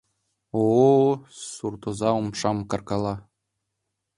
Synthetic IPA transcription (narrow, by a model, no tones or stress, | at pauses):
o | surt̪uzɑumʂɑmkɑ̆rkɑlˠɑ